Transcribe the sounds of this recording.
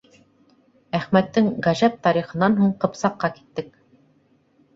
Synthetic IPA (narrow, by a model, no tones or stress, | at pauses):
æχmæt̪ːɘŋʁɑʒæp̚t̪ɑɾiχɤ̆nɑnɦuɴqɤ̆psɑqːɑki̥t̪ːɘk̚